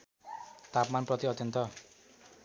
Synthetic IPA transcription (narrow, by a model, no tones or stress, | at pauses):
t̪apmanprʌt̪iʌt̪jʌnt̪ʌ